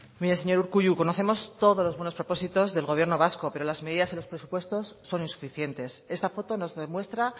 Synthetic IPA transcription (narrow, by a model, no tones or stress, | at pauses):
miɾeseɲo̞ɾuɾkuʝuko̞no̞θe̞mo̞st̪o̞ðozlo̞zβwe̞no̞spɾo̞po̞sit̪o̞zðe̞lɣo̞β̞je̞ɾno̞β̞asko̞pe̞ɾo̞lazme̞ðiðaselo̞spɾe̞su̥pwe̞st̪o̞sːo̞ninsu̥fiθje̞nt̪e̞se̞st̪afo̞t̪o̞no̞zðe̞mwe̞st̪ɾa